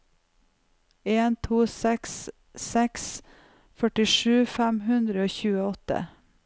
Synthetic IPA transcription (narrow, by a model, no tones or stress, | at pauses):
eːnt̪ʰuːsɛksː | ɛks | fœʈɪʂʉːfæmhʉnd̪ɾəoːçʉːəɔt̪ə̰